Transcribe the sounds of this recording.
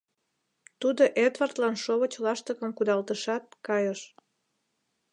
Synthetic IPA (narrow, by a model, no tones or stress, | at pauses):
t̪ud̪oʔed̪vɑrt̪lɑnʃoβət͡ɕlɑʃt̪əkəmkud̪ɑlt̪əʃɑt̪̚kɑjəʃ